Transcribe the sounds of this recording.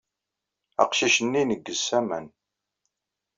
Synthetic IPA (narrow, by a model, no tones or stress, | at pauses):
ɑ̰qʃiʃənːinəɡːəsæmæ̰n